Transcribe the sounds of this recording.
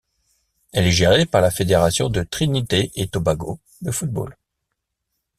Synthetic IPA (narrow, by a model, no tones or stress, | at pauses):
ɛlɛʒeʁepaʁlafed̪eʁasjɔ̃d̪ət̪χinit̪eʔet̪obaɡo | d̪əfut̪̚bo̰l